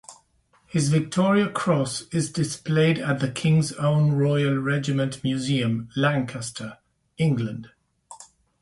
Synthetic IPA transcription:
hɪzvɪk̚tʰɔːɹiəkʰɹ̥ɔsɪzdɪspleɪdəʔ̪ðəkʰɪ̃ŋzõʊ̃nɹɔɪəlˠɹɛd͡ʒɪmə̃nʔmjʉziə̃mlãŋkʰəstʰə | ɪ̃ŋɡlə̃nd̥

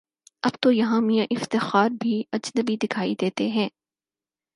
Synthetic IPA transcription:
ɐbt̪ojɐɦãmijãʔɪft̪ɪxaːɾbʱiɐd͡ʒnəbid̪ɪkʰaːid̪eːt̪eɦɛ̃ː

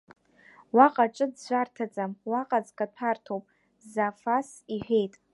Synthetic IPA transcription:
waqʼaʈ͡ʂʼɨdʒʷartʰad͡zʼamwaqʼad͡zkʼatʰartʰowpʼ | zafasiħʷᶣe̞jtʼ

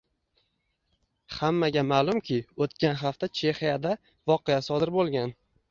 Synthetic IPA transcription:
hamːaɡʲamaːlˠʊmkʲʰɪot̪kʲʰanɦaft̪at͡ʃʰe̞hijad̪a | vɒqejasɒd̪ɪɾbolˠɡʲan

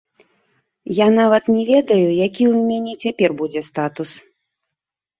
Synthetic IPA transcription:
janavɐt̪nʲɛvʲɛd̪ɐjujakʲiwmʲanʲɛt͡sʲapʲɛrbud͡zʲɛst̪at̪us

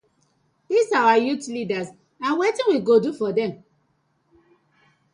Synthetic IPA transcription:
disawajutlidas | ãnwetĩwiɡodufɔdɛ̃m

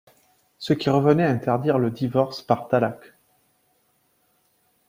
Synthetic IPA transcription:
səkʲiʁəvənɛaɛ̃t̪ɛʁd̪iʁləd̪ivɔʁspaʁt̪alak

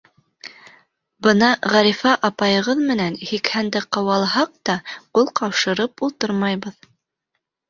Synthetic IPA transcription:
bɤnɑʁæɾifɑʔɑpɑjɤ̆ʁɤðmɘ̆nænhikhænd̪ɘqɑwɑlˠɦɑq̚t̪ɑqulˠqɑwʃɤ̆ɾɤpulˠt̪ɤɾmɑjβɤð

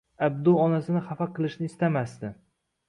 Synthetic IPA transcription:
ab̚d̪uɒnasɪnɪχafaqʰːɨlˠɪʃnɪːst̪amast̪ɪ

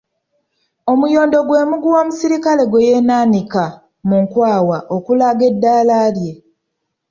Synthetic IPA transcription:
o̞mujo̞ːndo̞ɡwe̞ːmuɡuwoːmusiɾikale̞ɡwejeːnaːnika | muŋkwaːwaʔokulaɡe̞dːaːlaːlje̞

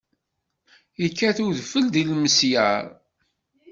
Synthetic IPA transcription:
iəkːæθuðfəld̪ilməsjəɾˤ

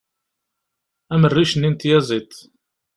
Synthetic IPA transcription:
æmərːiʃənːint̪jæzˤit̪

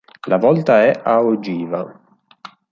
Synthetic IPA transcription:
lavɔlt̪aɛʔaod͡ʒiːva

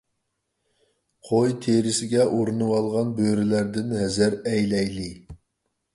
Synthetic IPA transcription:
qʰojt̪ʰeɾɪsɪɡʲɛʔuɾunuwɑlˠʁɑnbøɾɪlæɾd̪ɪnhɛzæɾɛjlɛjlɪ

